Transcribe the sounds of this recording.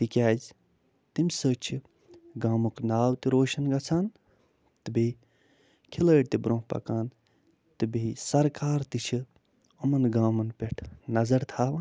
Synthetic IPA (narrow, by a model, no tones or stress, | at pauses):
t̪ikʲaːd͡ʒ | t̪imʲsəːt͡ʃʰi | ɡaːmuknaːwt̪iɾoːʃɐnɡɐt͡sʰaːn | t̪ɨbe | kʰiləːɽt̪ibɾõːpɐ̰kaːn | t̪ɨbesɐɾkaːɾt̪it͡ʃʰi | omɐnɡaːmɐnpeʈʰnɐzɐɾt̪ʰaːʋaː